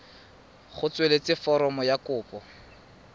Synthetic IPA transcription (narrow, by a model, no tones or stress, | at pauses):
χʊt͡swelet͡sʼɪfɔɾɔmɔjakʊːpɔ